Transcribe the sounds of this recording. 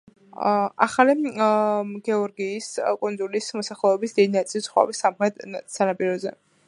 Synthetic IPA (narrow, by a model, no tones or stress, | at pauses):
a̰χali | ɡɛɔɾɡiːskʼundzulismɔsaχlɛːbisd̪id̪inat̪sʼilsʰχwa̰bisamχɾɛt̪sanapʼiɾɔzɛ̰